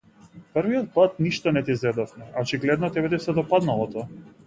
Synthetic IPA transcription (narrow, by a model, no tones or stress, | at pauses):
pr̩vijɔt̪̚pˠat̪̚niʃt̪ɔnɛt̪izɛd̪ɔfmɛaɔt͡ʃiɡlɛd̪nɔt̪ɛbɛt̪isɛd̪ɔpad̪nalˠɔt̪ɔ